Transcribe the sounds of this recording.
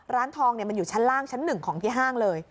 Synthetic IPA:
ɾaː˦˥nt̪ʰɔː˧ŋni˥˩ɐma˧njuː˨˩t͡ɕʰa˦˥nlaː˥˩ŋt͡ɕʰa˦˥nːɯ˨˩ŋkʰɔː˩˦ŋt̪ʰiː˦˥˩ɦaː˥˩ŋlɤː˧j

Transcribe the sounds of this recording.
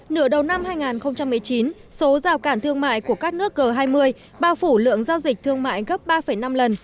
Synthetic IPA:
nɨ̰˧˩əɗə˨˩wna˧mhaː˧jŋaː˨˩nxə˧wŋ͡mt͡ɕa˧mːɨ˨˩əjt͡ɕi˨˦nso˨˦zaː˨˩wkaː˧˩nt̪ʰɨ˧əŋma̰ː˧˨jku˧˩əkaː˦˥k̚nɨ˦˥ək̚ɣəː˨˩ɦaː˧jmɨ˧əj | ɓaː˧˩wfu˧˩lɨ̰˧˨əŋzaː˧wzï˨˩k̟̚t̪ʰɨ˧əŋma̰ː˧˨jɣə˦˥p̚ɓaː˧fə˧˩jna˧mlə˨˩n

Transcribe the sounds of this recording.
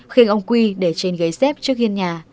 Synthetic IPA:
xi˧ŋʔə˧wŋ͡mkwi˧ɗe˧˩t͡ɕe˧˩nɣə˨˦jsɛ˦˥p̚t͡ɕɨ˦˥ək̚hi˧ənɲaː˨˩

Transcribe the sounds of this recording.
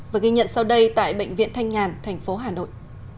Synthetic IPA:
vaː˨˩ɣi˧ɲə̰˧˨nsa˧wɗə˧jt̪a̰ː˧˨jɓə̰˧˨jŋ̟vḭ˧˨ənt̪ʰa˧ŋ̟ŋaː˨˩nt̪ʰɛ˨˩ŋ̟fo˨˦ɦaː˨˩no̰˧˨jʔ

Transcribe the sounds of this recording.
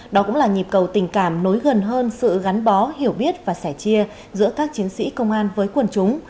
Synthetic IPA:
ɗɔ˨˦kʊ̰˧˥ŋ͡mlaː˨˩ɲi˨˩p̚kə˨˩wt̪ï˨˩ŋ̟kaː˧˩mno˨˦jɣə˨˩nɦəː˧nsɨ̰˧˨ɣa˨˦nɓɔ˨˦hi˧˩əwɓi˦˥ət̚vaː˨˩sɛ˧˩t͡ɕi˧ə | zɨ̰˧˥əkaː˦˥k̚t͡ɕi˨˦əŋsḭ˧˥kə˧wŋ͡mʔaː˧nvəː˨˦jkwə˨˩nt͡ɕʊ˨˦ŋ͡m

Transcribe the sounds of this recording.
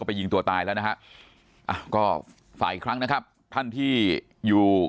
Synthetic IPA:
ɔː˥˩pa˧ji˧ŋt̪u˧ɐt̪aː˧jlɛː˦˥wna˦˥kʰa˦˥ʔ | ʔa˧˩kɔː˥˩ | fa̰ː˨˩˦ʔi˨˩kʰɾa˦˥ŋna˦˥kʰa˦˥p̚ | t̪ʰa˥˩nt̪ʰiː˥˩ | juː˨˩

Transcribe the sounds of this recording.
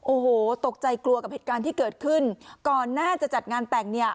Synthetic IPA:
ʔoː˧˩hoː˨˩t̪o˨˩k̚t͡ɕa˧jklu˧ɐka˨˩p̚heː˨˩t̪̚kaː˧nt̪ʰiː˥˩kɤː˨˩t̪̚kʰɯ˥˩nkɔː˨˩nːaː˥˩t͡ɕa˨˩t͡ɕa˨˩t̪̚ŋaː˧nt̪ɛ˨˩ŋ̚ni˥˩ɐ

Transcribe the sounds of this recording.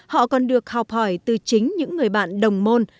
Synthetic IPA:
hɔ̰˧˨kɔ˨˩nɗɨ˨˩ək̚ha˨˩wp̚hɔ˧˩jt̪ɨ˨˩t͡ɕï˨˦ŋ̟ɲɨ̰˧˥ŋːɨ˨˩əjɓa̰ː˧˨nɗə˨˩wŋ͡mmo˧n

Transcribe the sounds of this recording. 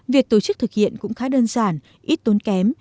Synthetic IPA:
vi˨˩ək̚t̪o˧˩t͡ɕɨ˦˥k̚t̪ʰɨ˨˩k̚hḭ˧˨ənkʊ̰˧˥ŋ͡mxaː˨˦ɗəː˧nzaː˧˩n | ʔi˦˥t̚t̪o˨˦nkɛ˨˦m

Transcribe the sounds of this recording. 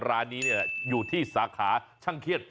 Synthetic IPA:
ɾaː˧˥nːiː˦˥ni˥˩ɐkjuː˨˩t̪ʰiː˥˩saː˩˦kʰaː˩˦t͡ɕʰa˥˩ŋkʰi˦˥˩ət̪̚

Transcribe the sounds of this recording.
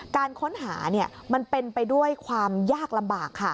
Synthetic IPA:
kaː˧nkʰo˦˥nɦaː˩˦ni˥˩ɐma˧npe˧npa˧jdu˥˩əjkʰwaː˧mjaː˥˩k̚la˧mbaː˨˩kʰːa˥˩

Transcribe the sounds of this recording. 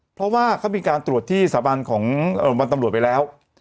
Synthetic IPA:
pʰɾɔ˦˥waː˥˩kʰa˥˩wmiː˧kaː˧nt̪ɾu˨˩ət̪ʰːiː˥˩saː˩˦ba˧nkʰɔː˩˦ŋʔɤː˨˩wa˧nt̪a˧ɾu˨˩ət̪pa˧jlɛː˦˥w

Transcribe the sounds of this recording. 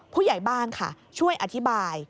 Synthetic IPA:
pʰuː˥˩ja˨˩˦jbaː˥˩nkʰa̰˥˩ | t͡ɕʰu˥˩əjʔa˨˧t̪ʰi˦˥baː˧j

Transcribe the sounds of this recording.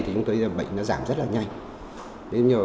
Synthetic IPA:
t̪ʰi˨˩t͡ɕʊ˧˦ŋ͡mtoː˧jɓə̰˧˨jŋ̟nɔ˨˦zaː˧˩mzə˦˥t̚laː˨˩ɲa˧jŋ | ɗe˨˦˧ɲəː˨˩

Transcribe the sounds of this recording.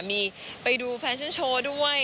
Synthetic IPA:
miː˧ | pa˧jduː˧pʰɛː˧nt͡ɕʰa˥˨nt͡ɕʰoː˧du˥˩ə

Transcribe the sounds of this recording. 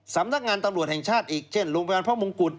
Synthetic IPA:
sa˩˦mna˦˥k̚ŋaː˧nt̪a˧mɾu˨˩ət̪̚hɛ˨˩ŋt͡ɕʰaː˥˩t̪̚ʔiː˨˩k̚t͡ɕʰe˥˩nɾoː˧ŋpʰa˧jaː˧pʰɔ˥˩mo˧ŋku˨˩t̪̚

